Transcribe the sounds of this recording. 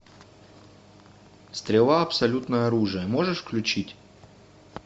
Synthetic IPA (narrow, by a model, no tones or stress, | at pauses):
st̪ɾʲɪlˠaɐpsɐlʲut̪nəjəɐɾuʐɨjəmo̞ʐɨʂfklʲʉt͡ɕitʲ